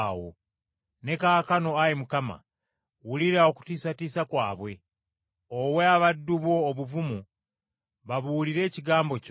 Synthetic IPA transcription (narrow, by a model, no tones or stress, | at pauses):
wo̰ | ne̞kakano̞ajemukama̰ | wuliɾaoku̥tiːsatiːsakwaːβwe̞ | oweaβadːuβwo̞ːβuvumu | βaβuːliɾe̞ːciɡaːmboc